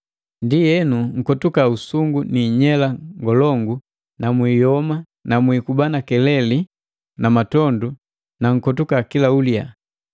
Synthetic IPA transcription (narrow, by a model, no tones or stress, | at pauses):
ndijɛnuŋ̩kɔtukausuŋɡuniɲɛlaŋɡɔlɔŋɡu | namwiːjɔma | namwikubanakɛlɛli | namatɔndu | naŋ̩kɔtukakilaulja